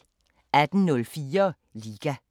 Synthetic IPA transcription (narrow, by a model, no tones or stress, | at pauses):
æd̥n̩nɔlfiːɐ | liːɡ̥æ